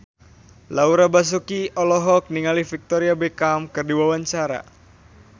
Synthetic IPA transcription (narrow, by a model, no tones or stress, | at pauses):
lauɾabas̬ukiɔlɔɦɔk̚niŋalifik̚t̪ɔɾiabekamkɨrdiwawaɲt͡ʃaɾa̰